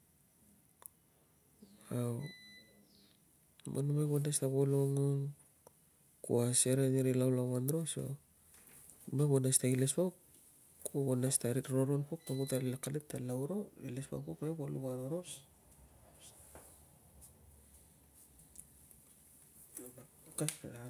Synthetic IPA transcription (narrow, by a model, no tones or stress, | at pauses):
aw | mʔa̰numaɡonastaβoloŋoŋ | kṵaseɾeneɾilawlawanɾo̞so̰ | numabonastailespok | kobonastaɾiɾoɾonpok̚toɡutalekaletːalawɾo̞ilespa̰kopaebolṵβanoɾo̞s | kaa